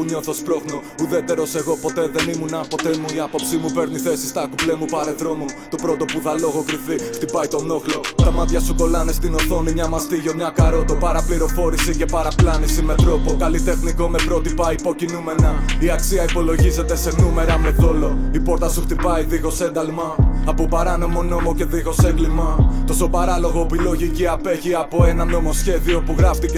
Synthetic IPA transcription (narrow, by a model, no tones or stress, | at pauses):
uɲo̞θo̞spɾo̞xno | uðe̞t̪e̞ɾo̞se̞ɣo̞po̞t̪e̞ðe̞nimunɐpo̞t̪e̞muiɐpo̞psimupe̞ɾniθe̞si̥st̪ɐkuplemupɐɾeðɾo̞mut̪o̞pɾo̞t̪o̞puðɐlo̞ɣo̞kɾiθixt̪ipɐjt̪o̞no̞xlo̞t̪ɐmɐt̪çɐsuko̞lɐnest̪ino̞θo̞nimɲɐmɐst̪iʝo̞mɲɐkɐɾo̞t̪o̞pɐɾɐpliɾo̞fo̞ɾisice̞pɐɾɐplɐnisime̞t̪ɾo̞po̞kɐlit̪e̞xniko̞me̞pɾo̞t̪ipɐipo̞cinume̞nɐiɐksiɐipo̞lo̞ʝize̞t̪e̞se̞nume̞ɾɐme̞θo̞lo̞ipo̞ɾt̪ɐsuxt̪ipɐiðiɣo̞se̞nd̪ɐlmɐːpo̞pɐɾɐno̞mo̞no̞mo̞ce̞ðiɣo̞seŋɡlimɐt̪o̞so̞pɐɾɐlo̞ɣo̞epilo̞ʝiciɐpe̞ʝiɐpo̞e̞nɐno̞mo̞sçe̞ðio̞puɣɾɐft̪ice